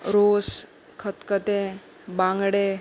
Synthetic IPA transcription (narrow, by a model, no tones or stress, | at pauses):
ɾos | kʰət̪kət̪ẽ | bãŋɡɽe